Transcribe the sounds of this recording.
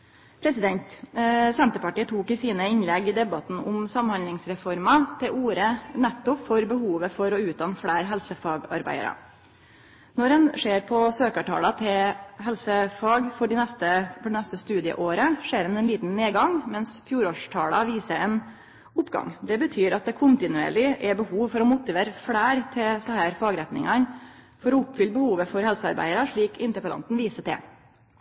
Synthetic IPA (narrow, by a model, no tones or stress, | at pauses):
pʰɾɛsɪd̪ɛnt̪sɛnt̪əpɑʈiːət̪ʰuːkɪsiːnəɪnlɛɡɪd̪ɛbɑt̪n̩ʊmsɑmhɑnlɪŋsɾɛfɔɾmɑt̪ʰɪlʔuːɾənɛt̪ːʊpfɔɾbəhuːʋəfɔɾɔʉːt̪̚ɑnfɽeːɾɦɛlsəfɑːɡɑ̰ɾbæ̰ɪə̰ɾə̰ | nɔɾɛnʂeːɾpʰɔsøːkɑʈʰɑ̰ːlɑt̪ʰɛɦɛlsəfɑːɡfɔɖɪnɛst̪əfɔɖɛnɛst̪əst̪ʉːd̪ɪə̰ʔoːɾəʂeːɾɛnɛnliːt̪nneːɡɑŋmɛnsfjuːɾoːʂʈʰɑːlɑʋiːsəɾɛn | ʊpɡɑ̰ŋd̪ɛbət̪ʰyːɾɑt̪̚d̪ɛkʰʊnt̪ɪnʉḛːɭɪʔɛbəhuːʋfɔɾɔmʊt̪ɪʋeːɾəfɽæːɾt̪ʰɪsɔhæːɾfɑːɡɾɛt̪nɪ̰ŋɑn | fɔɾɔʊpːfʏlːəbəhuːʋəfɔɾhɛlsəɑ̰ɾbæ̰ɪəɾəʂɭiːkʰɪnt̪əpəlɑ̰nt̪n̩ʋiːsət̪ɛ̰